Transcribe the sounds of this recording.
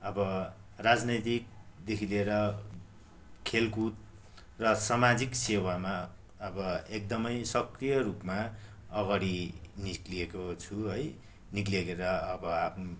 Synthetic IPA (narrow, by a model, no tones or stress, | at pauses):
ʌbʌrad͡znʌjt̪ik̚d̪ekʰileɾʌ | kʰelkut̪̚ | rʌsʌmad͡ziksewama | ʌbʌek̚d̪ʌmʌjsʌkrijʌrupma | ʌɡaɽinikliekot͡sʰuɦʌj | nikliekeɾʌʌbʌapʰnu